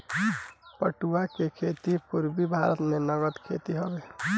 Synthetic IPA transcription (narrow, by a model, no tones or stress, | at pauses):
pəʈuakekʰet̪ipuɾbibʱaɾət̪menəɡət̪kʰḛt̪iɦɔbe